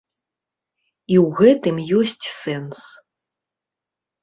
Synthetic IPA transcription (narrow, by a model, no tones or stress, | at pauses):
iwɣɛt̪ɨmjɔsʲt͡sʲsɛns